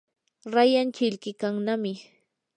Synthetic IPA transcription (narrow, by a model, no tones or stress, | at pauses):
ɾajant͡ʃɪʎkɪkaŋnamɪ